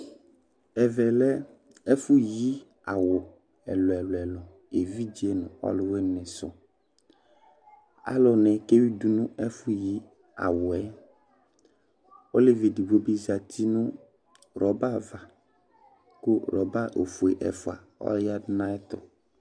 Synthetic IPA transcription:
ɛ˨vɛ˨lɛ˦ | ɛ˦fʊ˦ji˦ | a˨wʊ˨ | ɛ̰˨lɔ˨ɛ˨lɔ˨ɛ˨lɔ˨ | e˨vi˦d͡ʒi˨˦e˦nʊ̃˨ɔ̰˦lʊ˨we˦nɪ̃˨sʊ˦ | a̰˦lɔ˨nɛ˨ke˦wi˦du˦nʊ̃˦ɛ˦fʊ˦ji˦ | a̰˨wʊ˨ɛ˦ | o˦le˦˨vi˨di˨bo˦bi˦zi˨a˨t̪i˦nʊ̃˦ | ɾɔ˨ba˦va˨ | kʊ˦ɾɔ˨ba˦ʔo̰˨fu˨e˨ʔɛ̰˨fʊ˨a˨ | ɔ̰˦ja˦dnã˦ɛ˦t̪ɔ̰˨

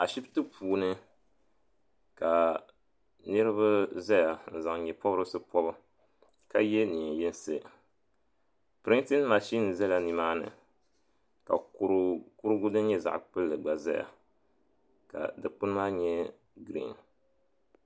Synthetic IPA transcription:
a˨ʃi˦btɨ˦pʰuː˨nɨ˦ | ka˨ | nɨ˦ɾɨ˦βa˦za˦ja˨n̩˨za˨ŋɲɛ˨pɔ˦bɾɨ˦sɨ˦pɔ˦bɨ˦ | ka˦jɛ˦ni˨jɛ˦n˦sɨ˦ | pɾi˦nti˦nma˨ʃi˦n˨zɛ˦la˨ni˨maː˦nɨ̰˨ | ka̰˨˦ɾku˦ɾɨ˦ɡu˦dɨ˦ɲɛ˦za̰˨ʔk͡pɨ˦lːɨ˨ɡ͡ba˨za̰˦ja̰˨ | ka̰˨dɨ˨k͡pɨ˦n˦maː˦ɲɛ˦ | ɡɾḭ˦n

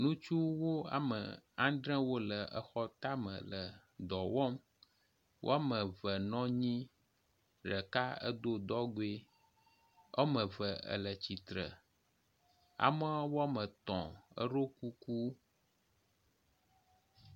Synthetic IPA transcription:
nũ˦t͡ʃu˦wo˦a̰˨mə̰˨ã˦ɖ̪ɾɛ̃˦wo˦lə˨ʔə˨xɔ˦t̪a˦mə̰̃˨lə˨ | d̪ɔ˨wɔ˦m | wʔo̰˦a˦mə̃˨və˨nɔ̃˦ɲĩ˦ | ɖə˨ka˦ə̰˦d̪o˦d̪ɔ˦ɡo˦e˦ | ə̰˦mə̃˨və˨ə̰˨lə˨t͡ɕi˨t̪ɾə̰˨ | a̰˨mə˦wo˦a˦mə̃˨t̪ɔ̰̃˨ə̰˦ɾo˦ku˦ku˦

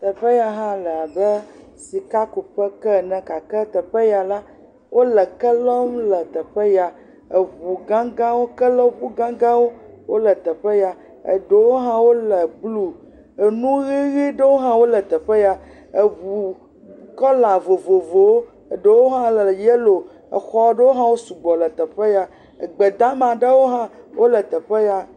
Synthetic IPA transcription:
t̪ə˨ɸə˦ja˨ɦã˦lə˨a˨bə˦ | si˨ka˦ku˨ɸə˦kɛ˦˨nɛ̃˨ka˨kɛ˦t̪ə˨ɸə˦ja˨la˦ | wʔo˦lə˨kə˦lɔ˦mlə˨t̪ə˨ɸə˦ja˨ | ə˨βu˨ɡã˦ɡã˦wo˦kə˦lɔ˦ɸu˦ɡã˦ɡã˦wo˦wo˦lə˨t̪ə˨ɸə˦ja˨ | ə̰˨ɖə˨wo˦ɦã˦wo˦lə˨blu˦ | e˨nũ˦ɣi˦ɣi˦ɖə˦wo˦ɦã˦wo˦lɛ˨t̪ɛ˨ɸɛ˦ja˦ | e˨βu˨ | kɔ˦la˨vo˨vo˨vo˨wo˦ | e˨ɖe˨wo˦ɦã˦lɛ˨je˦lo˨ | ə̰˨xɔ˦ɖə˦wo˦ɦã˦wo˦su˨ɡ͡bɔ˨lə˨t̪ɛ˨ɸe˦ja˦ | ə˨ɡ͡bɛ˨d̪a˦mã˨ɖe˦wo˦ɦã˦wʔo˦lə˨t̪ɛ˨ɸe˦ja˦

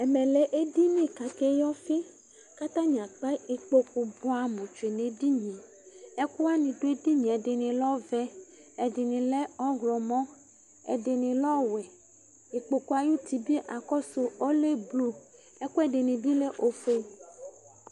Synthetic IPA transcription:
ɛ˨me˨le˨ʔe˦di˦nĩ˦ka˨ke˦jɔ˦fi˦ | ka˦t̪ã˦ɲ˨ã˨k͡pa˦i˨k͡po˦ku˨bo˦a˨mũ˨t͡ʃu˨e˨nẽ˨di˦ɲĩ˨ | ɛ˦ku˦a˦nĩ˨ɖo˦e˦di˦ɲĩ˨ɛ˨de˨nĩ˨lɔ˦vɛ˦ɛ˨di˨nĩ˨le˦ɔ˦ɣlɔ˨mɔ̃˦ | ḛ˨de˨nĩ˨lɔ˦wɛ˨ | i˨k͡po˨ku˨˦a˨ju˦t̪i˨bi˦ʔa˨kɔ˦so˨ɔ˦le˦blu˦ | ɛ˦ku˦ɛ˦ɖe˨nĩ˨bi˦le˦ʔo˨fo˦

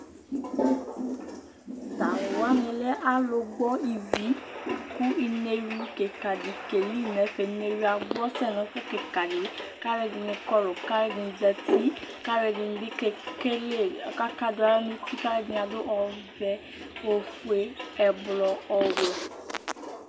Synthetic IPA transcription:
da˨wo˨a˨˦mĩ˧lɛ˦ʔa˦lo˧ɡ͡bɔ˦i˨vi˨˦ku˦i˧ne˧wi˦ke˨ka˨di˨˦ke˨li˦˨nɛ̃˨˦fɛ˨i˧ne˧wi˦a˧ɡ͡bɔ˦sɛ˦˨nɔ̃˨˦ku˦ke˨ka˨di˨ka˦ɾɛ˦di˧nĩ˧kɔ˦lo˨ka˦ɾɛ˦dĩ˧d͡zɛ˧ti˦ka˦ɾɛ˧dĩ˧n˧i˦kɛ˦ke˦le˦˨ka˦ka˦da˦lɛ˦nũ˦ti˦ka˦ɾɛ˦dĩ˧n˧a˧do˦ʔɔ˧vɛ˧˦ | o˧fu˦e˧ɛ˧blɔ˧ɔ˧wɔ˧

